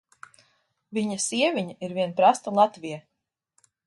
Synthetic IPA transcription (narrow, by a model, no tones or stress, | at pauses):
viɲasiɛvʲiɲaiɾviɛnpɾast̪alˠat̪vija